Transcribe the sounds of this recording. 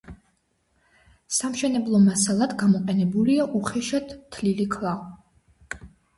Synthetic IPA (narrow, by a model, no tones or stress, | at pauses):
samʃɛnɛblˠɔmasalˠad̪ɡamɔqʼɛnɛbuliaʔuχɛʃat̪t̪ʰlilikʰlˠa